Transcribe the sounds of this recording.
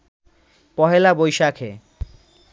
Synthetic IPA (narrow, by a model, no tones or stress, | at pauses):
pɔɦelabojʃakʰḛ